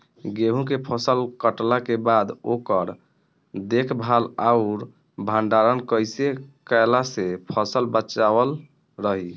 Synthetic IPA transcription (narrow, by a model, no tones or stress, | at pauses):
ɡeɦũkepʰəsəlkəʈlakebad̪okəɾ | d̪ekʰbʱalaʊɾ | bʱaɳɖaɾənkəjsekajlasepʰəsəlbət͡ʃabəl | ɾəɦi